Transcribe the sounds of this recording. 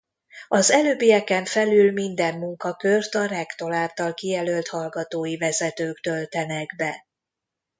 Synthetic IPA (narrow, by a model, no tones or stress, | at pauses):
ɒzɛløːbijɛkɛɱfɛlylmind̪ɛmːuŋkɒkørt̪ɒrɛkt̪o̞laːlt̪ɒlkijɛlølt̪hɒlɡɒt̪oːjivɛzɛt̪øːkt̪ø̞lt̪ɛnɛɡbɛ